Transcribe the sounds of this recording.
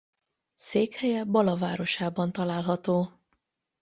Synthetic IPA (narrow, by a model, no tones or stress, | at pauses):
seːkhɛjɛbɒlɒvaːɾo̞ʃaːbɒnt̪ɒlaːlɦɒt̪oː